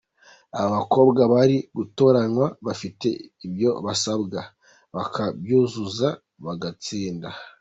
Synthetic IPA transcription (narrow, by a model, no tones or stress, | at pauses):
aβaβako̞ːbɡaβaɾiɡuto̞ɾanwaβafite̞̰ibjo̞βasabɡa | βakʰabjuːzuza | βaɡat͡siːnda